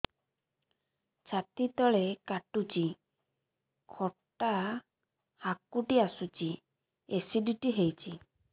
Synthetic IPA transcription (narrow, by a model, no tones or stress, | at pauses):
t͡ʃʰat̪it̪ɔɭekaʈut͡ʃi | kʰɔʈa | hakuʈiasut͡ʃi | esiɖiʈiɦejt͡ʃi